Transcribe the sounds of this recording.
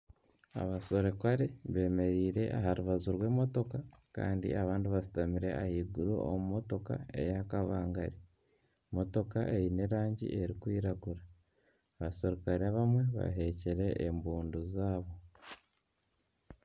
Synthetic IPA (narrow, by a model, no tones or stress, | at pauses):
a̰βaso̞ɾe̞kwaɾe̞βe̞ːme̞ɾiːɾe̞ʔa̰haɾuβazuɾwe̞ːmo̞to̞kaka̰ːndḭʔaβaːndiβasi̥tamiɾe̞ahiːɡuɾṵo̰mumo̞to̞ka̰e̞̰jakaβaːŋɡaɾi | mo̞to̞kaʔe̞jine̞ɾaːɲɟḭʔe̞ɾikwiːɾaɡuɾa | βase̞ɾokaɾiaβamwe̞βa̰ɦe̞ceɾe̞ʔːmbuːnduzaːβo̞